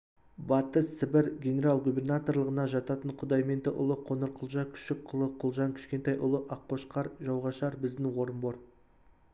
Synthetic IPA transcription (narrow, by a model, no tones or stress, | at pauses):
bɑt̪əssɪbɪɾɡʲe̞nʲe̞ɾalˠɡubʲe̞rnat̪o̞rlˠəʁənɑʒɑt̪ɑt̪əɴqʰʊd̪ɑjme̞nt̪ɪʔʊ̰lˠəqʰonəɾqʰʊlˠʒɑkʲʰʏ̥ʃɪk̚qʰːʊlˠəqʰʊlˠʒɑŋkʲʰɪ̥ʃkʲe̞nt̪ɑjʔʊlˠəʔɑqʰːo̞ʃqɑɾʒɑwʁɑʃɑɾbɪzd̪ɪŋwo̞ɾənboɾ